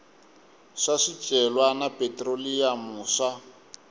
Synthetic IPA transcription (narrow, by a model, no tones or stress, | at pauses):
ʂaʂi̥t͡ʃʼɛlwanapʼetʼrolijamuːʂa